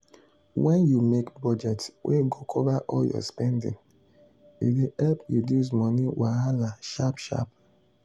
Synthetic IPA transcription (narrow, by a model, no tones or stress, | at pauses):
wɛ̃njumekbɔd͡ʒɛtwʔeɡokʰɔvaʔɔljɔ̰spɛndɪ̰̃ŋ | ḭdeɛlpjudiz̬mɔniwaalaʃapʃa̰p